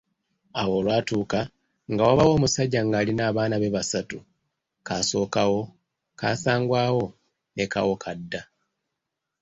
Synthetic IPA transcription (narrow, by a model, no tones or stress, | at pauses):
awo̞ːlwaːtuːka | ŋɡawaβawo̞ːmusaɟːaŋɡaːlinaːβaːnaβe̞βasatu | kaso̞ːkawo̞ | kaːsaːŋɡwaːwo̞ | ne̞ka̰wo̞kʰadːa